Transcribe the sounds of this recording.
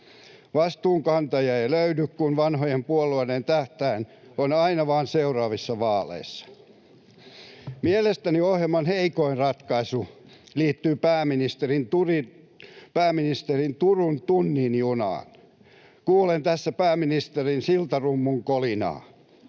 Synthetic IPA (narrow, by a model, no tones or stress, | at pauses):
ʋɑst̪uːŋkɑnt̪ɑjɑeiløydykkunʋɑnhojempuolːˑuɑdent̪æht̪æin | onɑinɑʋɑːnseurɑːʋisːɑʋɑːlḛisːɑ̥ | mielest̪æniohjemɑnheikoinrɑt̪kɑisu | liːt̪ːyːpæːminist̪erint̪uri | pæːminist̪erint̪urunt̪unːinjunɑ̰ːn | kuːlent̪æsːæpæːminist̪erinsilt̪ɑrumːuŋkolinɑ̰ː